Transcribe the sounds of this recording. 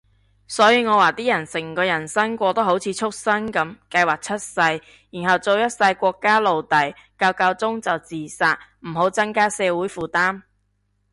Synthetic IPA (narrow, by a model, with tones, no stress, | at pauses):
sɔː˨˥jiː˧ŋɔː˨˧waː˨˩t̪iː˥jɐ˨˩nsɪ˨˩ŋkɔː˧jɐ˨˩nsɐ˥ŋkʷɔː˧t̪o˥wɦo˨˥wt͡sʰiː˨˧˥t͡ʃʰʊ˥k̚sɐ˥nkɐ˨˥mkɐ˧jwaː˨˩k̚t͡sʰɐ˥t̚sɐ˧j | jiː˨˩nɦɐ˨wt͡so˧wjɐ˥t̚sɐ˧jkʷɔː˧kːaː˥lo˨wt̪ɐ˨˥jkaː˧wkaː˧wt͡sʊ˥ŋt͡sɐ˨wt͡siː˨˩saː˧t̚m̩˨˩ɦo˨˥wt͡sɐ˥ŋkaː˥sɛː˨˧wuː˨˥jfuː˨˩t̪aː˥m